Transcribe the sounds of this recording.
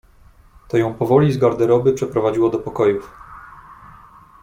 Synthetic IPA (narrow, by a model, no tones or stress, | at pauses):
t̪ɔjɔ̃w̃pɔvɔlʲizɡaɾd̪ɛɾɔbɘpʂɛpɾɔvad͡ʑiwɔd̪ɔpɔkɔjuf